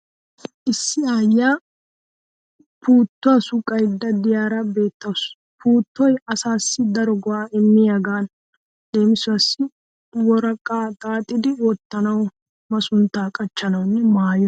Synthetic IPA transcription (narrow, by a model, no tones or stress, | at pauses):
ʔɪsːɪaːjːaː | pʰuːt̪ːʊɐsʊkʼːɐjd̪ːɐd̪ɪjaːɾɐbe̞ːt̪ːɐws | puːt̪ːɔjɐsaːsːɪd̪ɐɾɔɡɔaːɪmːɪjaɡaːn | d̪̥e̞ːmɪsʊɐsːɪ | wɔɾɐkʼːaːt̪ʼaːt̪ʼːɪd̪ɪwɔt̪ːɐnɐw | mɐsʊnt̪ːaːkʼɐt͡ʃːɐnɐwnːɛmaːjɔ